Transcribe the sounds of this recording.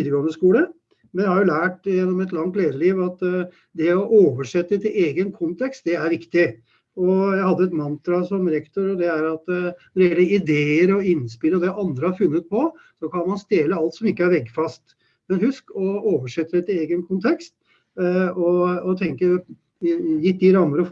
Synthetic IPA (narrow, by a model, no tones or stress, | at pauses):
id̪əɡɑŋəskuːlə | mɛnjæhɑɾjʊlæːʈjɛnːɔmɛt̪lɑŋt̪leːd̪əɭiːʋɑt̪ | d̪ɛɔʔoːʋəʂɛt̪ːət̪ʰɪleːɡənkʰʊnt̪ʰɛkst̪̚d̪ɛæɾʋɪkt̪ɪ | ɔjæɪhɑd̪ːəɛt̪mɑnt̪ɾɑsɔmɾɛkt̪ʊɾɔd̪ɛæɾɑt̪nɔɾɪjɛlːəɪd̪eːəɾɔɪnspɪlːəɔd̪ɛʔɑnd̪ɾəhɑɾfʉnːət̪̚pʰɔ | sɔkʰɑnmɑnst̪eːləɑlt̪sɔmɪkːəæɾʋɛɡːfɑst̪ | mɛnhʉskɔoːʋəʂɛt̪ːəɾət̪ɪleːɡənkʰʊnt̪ʰɛkst̪ | ɔɔt̪ʰɛŋkəɾ | jɪt̪̚d̪ɪɾɑmːəɾə